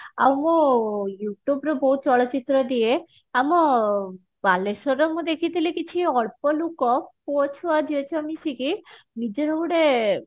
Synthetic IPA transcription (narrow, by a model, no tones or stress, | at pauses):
a̰wmojuʈubɾɔbɔɦut̪̚t͡ʃɔɭot͡ɕit̪ːɾod̪ie | amɔ | baleʃɔɾɔmod̪ekʰit̪ilekit͡ɕʰiɔɭpɔlukɔpot͡ʃʰoad̪ʱiet͡ɕʰɔamiʃiki | nid͡ʑeɾʱobuɽe